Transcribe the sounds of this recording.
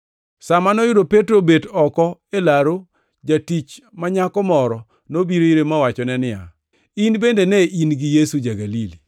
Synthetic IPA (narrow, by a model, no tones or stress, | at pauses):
samanɔjʊdopetɾobedɔkɔelaɾo | d͡ʒatit͡ʃ | maɲakɔmɔɾɔ | nobiɾoiɾemawat͡ʃɔnɛnɪja̰ | inbendenɛʔinɡɪjesud͡ʒaɡalili